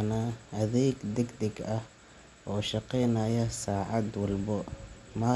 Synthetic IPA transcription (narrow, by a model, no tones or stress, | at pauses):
naʔɐðɛːɡd̪ɛɡd̪ɛɡɐh | ʔɔːʃɑqɛjnɐjɐsaːʕɑd̪wɑlbɔmaː